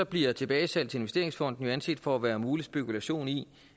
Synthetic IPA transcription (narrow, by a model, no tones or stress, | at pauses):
ɒ̽b̥liɐt͡sʰe̝b̥ɛːɪsæl̰dt͡sʰee̝nʋese̝ɐ̰eŋsfɒ̽n̰d̥n̩jo̝ænse̝̥d̥fɒ̽æʋæːɐmuːlisb̥e̝kʰulæɕo̝̰ːni